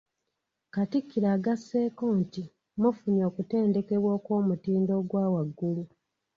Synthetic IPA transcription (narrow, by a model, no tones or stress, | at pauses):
katikːiɾaːɡasːe̞ːko̞ːnti | mufuɲo̞ːkute̞ːnde̞ke̞βwo̞ːko̞ːmutiːndo̞ːɡwaːwaɡːulu